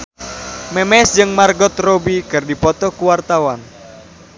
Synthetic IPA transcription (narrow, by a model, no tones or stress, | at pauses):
mɛmɛsd͡ʒɨŋmarɡɔt̪robikɨrdipɔt̪ɔkuwart̪awan